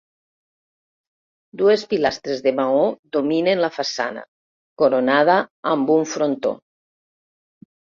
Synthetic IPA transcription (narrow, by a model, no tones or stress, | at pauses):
d̪uespilast̪ɾezðemaoðominenlafasa̰na̰ | koɾonað̞aambuɱfɾont̪o̰